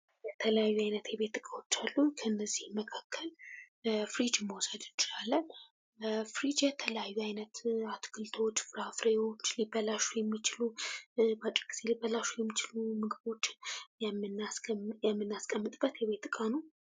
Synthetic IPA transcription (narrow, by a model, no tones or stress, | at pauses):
jɛt̪ʰələjajːuajnət̪jɛβe̞t̪ːɨkʼawo̞t͡ʃːalːukʰəɨnːəzːihməkʰakʰːəl | fɾid͡ʒmowsəd̪ɨnt͡ʃːɪlalːən | fɾid͡ʒjɛt̪ʰələjajːuajnət̪at̪kʰɨlt̪ʰo̞t͡ʃːfɨɾafɾewo̞t͡ʃːlibəlaʃujɛmːit͡ʃɪlubat͡ʃʼiɡʼiz̥e̞libəlaʃujɛmːit͡ʃɪlumɨɡɨbo̞t͡ʃːɪnjɛmːɨnasjɛmːɨnːaskʼəmːɨt̪ʼbːət̪jɛβe̞t̪ːɨkʼanəw